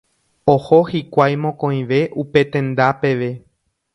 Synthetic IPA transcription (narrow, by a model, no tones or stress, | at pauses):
ohohikʷajmõkõĩʋe̞ʔupe̞t̪ẽ̞nd̪ape̞ʋe̞